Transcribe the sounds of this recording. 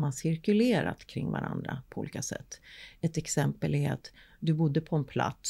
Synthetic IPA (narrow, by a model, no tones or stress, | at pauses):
mansɪɾkɵleːɾa̰t̪kʰɾɪŋːvaɾand̪ɾapʰɔṵːliːkasɛ̰t̪ːɛt̪ɛksɛmpəlɛɾa̰t̪ | d̪ɵbʊd̪ːəpʰɔɛnpʰla̰t̪s